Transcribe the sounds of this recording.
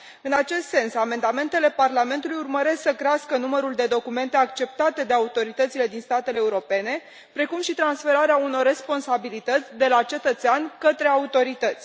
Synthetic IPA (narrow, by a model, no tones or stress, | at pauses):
ɨnat͡ʃe̞st̪se̞nsame̞nd̪ame̞nt̪e̞le̞parlame̞nt̪ulujurməɾe̞sksəkɾeaskənuməɾuld̪e̞d̪o̞kume̞nt̪e̞akt͡ʃe̞p̚t̪at̪e̞d̪e̞aut̪o̞ɾit̪ət̪sile̞d̪inst̪at̪e̞leːuɾo̞pe̞ne̞ | pɾe̞kumʃit̪ɾansfe̞ɾaɾeauno̞rːe̞spo̞nsabilit̪ət̪sʲd̪e̞lat͡ʃe̞t̪ət̪seanʲkət̪ɾe̞aut̪o̞ɾit̪ət̪sʲ